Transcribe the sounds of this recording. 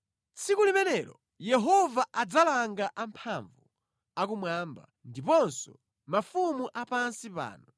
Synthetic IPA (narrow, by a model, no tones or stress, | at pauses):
t͡sʰikulimɛnɛɾɔ | jɛɦɔvaʔad͡zalaŋɡaʔampʰaɱvu | akumwaːmba̰ | ndipɔnsɔ̰ | mafumuʔapansipa̰ːnɔ